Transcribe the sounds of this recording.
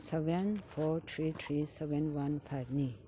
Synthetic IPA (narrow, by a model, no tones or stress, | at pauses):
sebenpʰɔtʰɾit̪ʰɾisebenwanpʰajb̚ni